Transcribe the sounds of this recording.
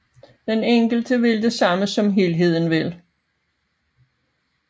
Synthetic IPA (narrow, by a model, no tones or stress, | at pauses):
d̥eneŋ̰ɡ̥l̩d̥əʋe̝ld̥e̝sɑ̈məsɒ̽mɦelɦe̝ð̞̰ˠn̩ʋel